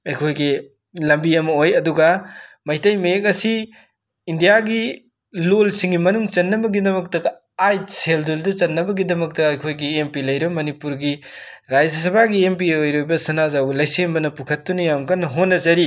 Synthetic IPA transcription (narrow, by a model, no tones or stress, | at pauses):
ɐjkʰojɡi | lɐmbiɐmɐojɐduɡɐmɐjtɐjmek̬ɐsiː | ndijaɡi | lolsiŋɡimɐnuŋt͡ʃɐnːɐbɐɡidɐmɐk̚tɐɡ | ajselduldɐt͡ʃɐnːɐbɐɡidɐmɐk̚tɐɐjkʰojɡiempilɐjɾɐbɐmɐnipuɾɡi | ɾajzɐs̬ɐbaɡiempiojɾojbɐsɐnazawbɐlɐjsembɐnɐpukʰɐtːunɐjamkɐnːɐɦonːɐzɐɾi